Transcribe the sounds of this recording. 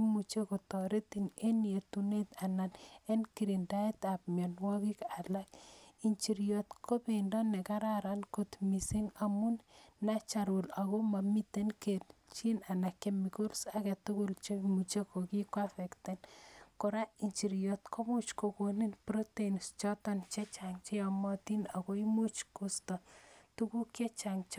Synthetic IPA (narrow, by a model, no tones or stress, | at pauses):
mut͡ʃekotɔɾet̪ineniet̪unet̪ananenkiɾindaet̪ap̚mjɔnwɔkikalakint͡ʃiɾjɔt̪kʰopendɔnekaɾaɾankot̪misiŋamunnat͡ʃaɾolakomamit̪enkett͡ʃinanakemikolsakɛt̪ukʊlt͡ʃomut͡ʃekokikwafekt̪enkoɾaint͡ʃiɾjɔt̪kʰomut͡ʃkokoninpɾot̪enst͡ʃɔt̪ant͡ʃet͡ʃaŋt͡ʃeamɔt̪inakoimut͡ʃkustɔt̪ukuket͡ʃaŋt͡ʃ